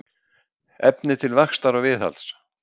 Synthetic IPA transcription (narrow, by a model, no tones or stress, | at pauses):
ɛpnɪt̪ʰɪlvaxst̪aɾɔɣvɪθa̰ls